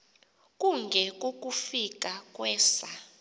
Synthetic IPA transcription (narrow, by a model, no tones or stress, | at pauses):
kʼuŋɡʱɛk̬ʼok̬ʼufik̬ʼakʼwɛːsa